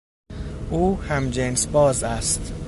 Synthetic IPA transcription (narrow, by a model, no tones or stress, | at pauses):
ʔuːhæmd͡ʒensbɒːzæst̪